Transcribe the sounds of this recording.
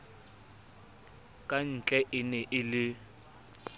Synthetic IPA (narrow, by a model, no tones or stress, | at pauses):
kʼan̩t͡ɬʼɛʔɪnɛʔɪlɪ